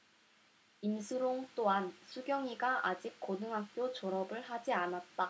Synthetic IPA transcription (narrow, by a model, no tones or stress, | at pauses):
imsʰɯɾoŋt͈oansʰuɡjʌŋiɡaʔad͡ʑik̚k͈onɯŋɦak̚k͈jot͡ɕoɾʌbɯɭhad͡ʑianat̚t͈a